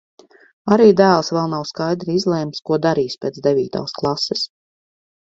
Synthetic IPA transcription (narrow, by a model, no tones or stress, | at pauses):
aɾiːd̪æːlˠsvɛlˠnawskajd̪ɾiizlˠɛːmskuɔd̪aɾiːspʲeːt̪d̪evʲiːt̪a̰ːsklˠasɛs